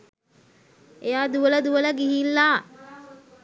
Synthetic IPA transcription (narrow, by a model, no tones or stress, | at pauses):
ejaːd̪uələd̪uʋələɡiɦilːaː